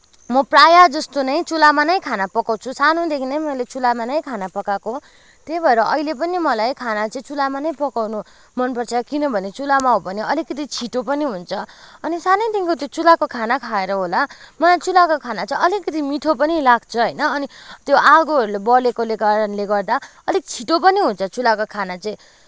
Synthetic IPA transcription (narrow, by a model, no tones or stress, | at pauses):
mʌprajad͡zʌst̪onʌj̃t͡sulamanʌj̃kʰanapʌkawt͡sʰusanod̪ekʰinʌjmʌjlet͡sulamanʌj̃kʰanapʌkako | t̪ejbʱʌeɾʌʔʌilep̬ʌnimʌlajkʰanat͡sʌĩt͡sulamanʌj̃pʌkawnu | mʌnpʌrt͡sʰʌkinʌbʱʌnet͡sulamaɦobʱʌneʌlikʌt̪̬it͡sʰiʈopʌniɦunt͡sʰʌʌnisanʌjd̪iŋkot̪jot͡sulakokʰanakʰaeɾʌɦolamʌlajt͡sulakokʰanat͡saĩʌlikːʌt̪imiʈ̪ʰopʌnilaɡ̚t͡sʰʌɦʌjnʌːnit̪joʔaɡoɦʌɾulebʌlekolekaɾʌnleɡʌrd̪a | ʌlik̚t͡sʰiʈop̬ʌniɦunt͡sʰʌt͡sulakokʰanat͡sʌĩ